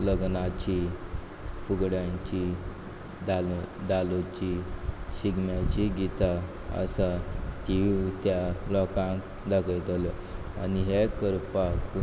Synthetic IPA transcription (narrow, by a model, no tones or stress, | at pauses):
ləɡnat͡ɕi | fuɡɽjãt͡ɕi | d̪ald̪alot͡ɕiɕiɡmjat͡ɕiɡit̪a | ə̰sat̪iut̪jalɔkãŋk | d̪akʰəjt̪əlɔ | a̰niɦekəɾpak